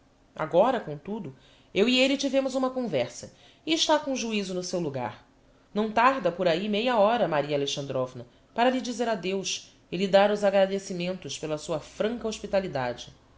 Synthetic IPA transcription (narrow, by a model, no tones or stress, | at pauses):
a̰ɡɔɾɐkõt̪ud̪ʊ | ewielit͡ʃivẽmʊzũmɐkõvɛɾsɐ | iːʃt̪akõʒuizʊnʊsewluɡa̰ɾ | nɐ̃w̃t̪aɾd̪ɐpoɾaimejɐɔɾɐmaɾiɐaleʃɐ̃nd̪ɾovnɐ | paɾɐlid͡ʒizeɾad̪ewʃ | ɪlid̪aɾʊzaɡɾad̪esimẽnt̪ʊʃpelɐsuɐfɾɐ̃ŋkɐoʃpit̪alid̪a̰d͡ʒɪ